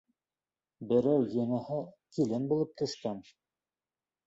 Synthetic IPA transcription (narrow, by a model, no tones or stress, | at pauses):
bɘ̆ɾæwjɤ̆nɑhɤkilɘnbulˠɤp̚t̪ɵ̆ʃkɑn